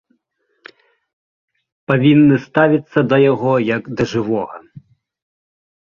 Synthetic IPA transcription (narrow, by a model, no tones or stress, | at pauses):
pavʲinːɨst̪avʲit̪sːɐd̪ɐjaɣɔjɐɡd̪ɐʐɨʋɔɣɐ̰